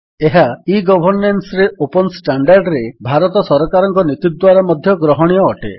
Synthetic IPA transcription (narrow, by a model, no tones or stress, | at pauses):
eɦaiɡɔbʱɔɾnensɔɾeopɔnsʈaɳɖaɾɖɾebʱaɾɔt̪ɔsɔɾɔkaɾɔŋkɔnit̪id̪waɾamɔd̪ʱjɔɡɾɔɦɔɽ̃iɔːʈḛ